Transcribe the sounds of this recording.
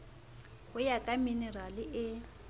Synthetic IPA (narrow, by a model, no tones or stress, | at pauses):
hʊjakʼaminɛralɪʔɪ